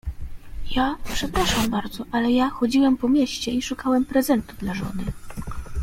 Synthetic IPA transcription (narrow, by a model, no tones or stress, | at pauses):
japʂɛpɾaʂambaɾd̪zɔʔalɛjaxɔd͡ʑiwɛmpɔmʲjɛɕt͡ɕɛiʂukawɛmpɾɛzɛnt̪uvd̪laʐɔ̰nɘ